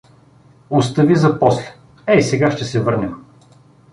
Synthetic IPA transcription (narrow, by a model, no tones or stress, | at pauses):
ʊst̪ɐvizɐpɔslɛ̥ | ɛisɛɡaʃt̪ɛsɛvɤɾnɐ